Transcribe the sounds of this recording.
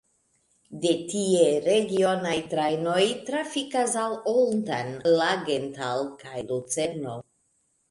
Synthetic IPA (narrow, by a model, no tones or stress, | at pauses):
de̞tieɾeɡio̞najtɾajno̞jtɾafikasalolta̰nlaɡentalkajlut͡seɾno̞